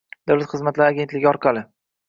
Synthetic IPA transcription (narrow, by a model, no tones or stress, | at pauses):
d̪̥awlˠat̪χɨzmat̪laɾaɡʲet̪lɪɡʲɒɾqʰɑlˠɪ